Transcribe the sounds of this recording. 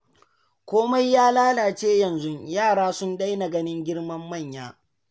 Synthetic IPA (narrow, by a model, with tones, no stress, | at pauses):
kʷoː˦ma˦jːaː˦laː˦laː˨t͡ʃeː˦jɐ˨nzʊ˦jaː˦˨ɽaː˦sʊ˦nda˦jna˨ɡɐ˦nɪ˦ŋɡʲɪ˦ɽmɐ˦mːɐ˦˨ɲjaː˦